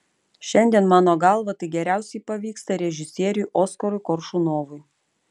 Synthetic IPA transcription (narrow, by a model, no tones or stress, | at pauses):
ʃʲɛnʲd̪ʲiɛnmɑːnoːɡɑˑlˠʋɐt̪ɐɪɡʲɛɾʲæˑʊsʲɛɪpɐʋʲiːkst̪ɐɾʲɛʒʲɪsʲiɛɾʲʊʔɔːskɐɾʊjkɔɾʃʊnoːʋʊj